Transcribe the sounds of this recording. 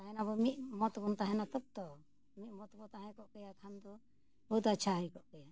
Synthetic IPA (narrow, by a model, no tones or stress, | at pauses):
t̪aɦɛnabɔmimɔt̪kɔnt̪aɦɛnat̪əp̚t̪ɔ | mimɔt̪kɔt̪aɦɛ̃kɔʔkɔjakʰand̪ɔ | bəd̪at͡ʃʰaɦəjkɔʔkɔja